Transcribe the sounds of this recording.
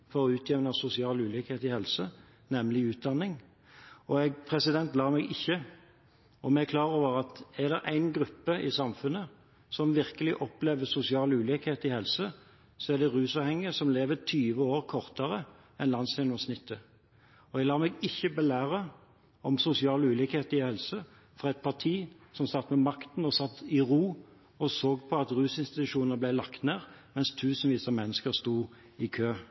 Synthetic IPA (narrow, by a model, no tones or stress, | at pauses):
fɔɾɔʉːt̪ʰjɛʋnɑsʊsɪɑːlʉːliːkheːt̪ɪhɛlsə | nɛmlɪʉːt̪̚d̪ɑnːɪŋ | ɔɛɡpʰʁɛsɪd̪ɛnt̪lɑːmɛɡɪçːə | ɔmɛækʰlɑːʁəoːʋəʁɑt̪ɛd̪ɛɾʔæ̰ɪnɡɾʉpːəʔɪsɑmfʉnːə | sɔmʋɪʁkəlɪʔɔpleːʋəsʊsɪɑːlʉːlikheːt̪ɪhɛlsə | sɔæd̪ɛʁʉːsɑːʋhɛŋːəsɔmleːʋət̪ʰyːʋəoːʁkʰɔʁt̪əʁə | ɛnlɑnsɛnəɔsnɪt̪ʰːə | ɔɛɡlɑːmɛːɡɪçːəbɛlæːʁə | ɔmsʊsɪɑːləʉːliːkheːt̪əɾɪhɛlsə | fɾʁɑːɛt̪̚pʰɑʁt̪ʰiː | sɔmsɑt̪ːmɛmɑkt̪n̩ɔsɑt̪ːɪʁuː | ɔsoːɡpʰɔɑt̪ʁʉːsɪnst̪ɪt̪ʉʂuːnəblæɪlɑkt̪neːʁmɛnst̪ʰʉːsn̩ʋiːsəmɛnːəskəɾst̪uː | ɪkʰøː